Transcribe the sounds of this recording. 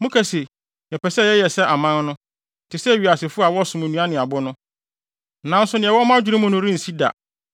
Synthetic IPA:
mʊ̃˦kʰɛ˨se˨ | jɛ˨pɛ˨sɛ˦˨ɛ˦jɛ˨sɛ˦ʔa˨mã˦nnʊ̃˦ | tʰɪ˨sɛ˦˨ɥi˨a˨sɪ˨fʊ˦a˨wɔ˦˨sʊ̃˨m̃˨nũ˨˦ã˦nɪ̃˨a˨bʊ˦nʊ̃˦ | nã˨˦n̩˦sʊ˦nɪ̃˨ɛ˨wɔ˦mã˦d͡ʑᶣɪ˦ɾĩ˦mʊ̃˦nʊ̃˦ɾĩ˦n̩˨si˦da̰˨

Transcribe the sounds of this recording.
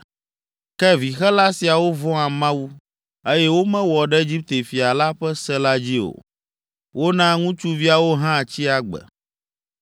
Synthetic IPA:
kɛ˦vi˨xɛ˦la˦si˨a˨wo˦vɔ̃˦a˨mã˦wu˦ | e˦jɛ˦wo˦mɛ̃˦wɔ˨ɖɛ˦e˦d͡ʑi˦p̚t̪e˨fi˨a˨la˦ɸɛ˦sɛ˦la˦d͡ʑi˦o̰˨ | wʔo˦nã˦ŋũ˦t͡ʃu˦vi˦a˨wo˦ɦã˦˨t͡ɕi˦a˨ɡ͡bɛ̰˨

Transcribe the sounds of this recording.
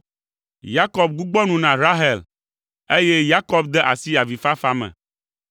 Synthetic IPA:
ja˦kɔ˨b̚ɡu˦ɡ͡bɔ˦nũ˨nã˨ɾa˦ɦɛ˨l | e˦je˦ja˦kɔ˦bd̪ɛ˦ʔa˨si˦a˨vi˨fa˦fa˦mɛ̰̃˨

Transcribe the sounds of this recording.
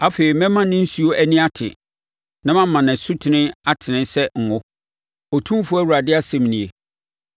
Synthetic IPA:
a˦feː˨ɾi˨mɛ̃˦mã˦nɪ̃˦n̩˦su˨˦o˦ʔæ˦nĩ˦a˦tʰɪ̰˨ | nã˦mã˦m˦mã˨nɪ̃˨sʊ˦tʰɪ˨nɪ̃˦a˦tʰɪ˨nɪ̃˦sɛ˦ŋ̩˨hʊ̃˦ | o˨tʰũ˦m˦fʊ˦æ˦wɾa˨dɪ˦a˦sɛ̃˨mnĩ˨e˨

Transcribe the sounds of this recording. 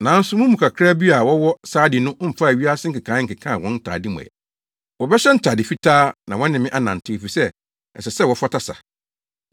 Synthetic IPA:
nã˨˦n̩˦sʊ˦mũ˦mũ˨kʰa˨kʰɾa˦bi˦a˨wɔ˦wɔ˦saː˦dɪ˨nʊ̃˦ʔm̩˨fa˦˨ɥi˦a˦sɪ̃˦ŋ̩˦kɪ˨kʰãː˨˦ŋ̩˨kɪ˨kʰã˦˨wɔ̃˦n̩˦tʰa̰ː˨dɪ˦mʊ̰̃˨ɛ̰˨ | wɔ˨bɛ˦ɕɛ˦n̩˦tʰaː˨dɪ˨fi˦tʰaː˦nã˨wɔ̃˦nɪ̃˨mɪ̃˦ʔa˦nã˨n̩˨tʰɪ̃˦˨fi˨sɛ˦ | ɛ̰˨sɛ˨sɛ˦wɔ˨fa˦tʰa˦sa̰˨

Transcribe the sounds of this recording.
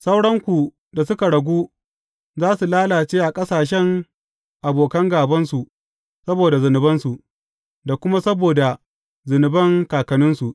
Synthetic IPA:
sa˦wɽɐ˦ŋkʷu˨ | da˨sʊ˦ka˨ɽɐ˨ɡʷuː˦ | zaː˦su˨laː˦laː˨t͡ʃeː˦ʔa˨kʼɐ˦saː˨ʃ̬ɛ˦ŋ | ʔa˨boː˨kɐ˦ŋɡaː˨bɐ˦nsu˨ | sɐ˦boː˨da˨zʊ˨nɪ˨bɐ˦nsu˨ʔ | da˨kʷʊ˦ma˦sɐ˦boː˨da˨ | zʊ˨nɪ˨bɐ˦ŋkaː˨kɐ˨nʊ˦nsu˨ʔ

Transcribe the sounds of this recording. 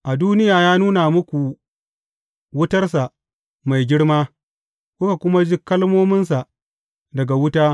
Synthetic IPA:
ʔa˨duː˦nɪ˦jaː˨jaː˦nuː˦na˨mʊ˦kʷu˨ | wʊ˦tɐ˦rsa˨ | ma˨jɡʲɪ˦ɽmaː˦ | kʷʊ˦ka˨kʷʊ˦ma˦d͡ʒɪ˦kːɐ˦lmoː˦mɪ˦ns̬a˨ | dɐ˨ɡa˨wʊ˦taː˦

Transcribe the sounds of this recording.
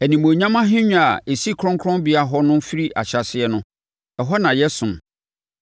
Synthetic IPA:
æ˨nĩ˨mõ˨ɲã˦mã˦ɦɪ̃˦ɲ̃ᶣ˦a˨e˨si˦kʰɾɔ̃˦ŋkʰɾɔ̃˦nbi˨˦a˦ɦɔ˦nʊ̃˦fi˦ɾi˦ʔa̰˨ɕa˨sɪ˦ɛ˦nʊ̃˦ | ɛ˨ɦɔ˦nã˨jɛ˦sʊ̃˨m

